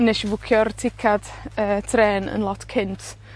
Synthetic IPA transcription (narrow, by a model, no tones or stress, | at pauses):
nɛʃvʊkʰjɔrtʰɪkʰad̥əːtʰrɛːnə̰nlˠɔtʰkʰɪntʰ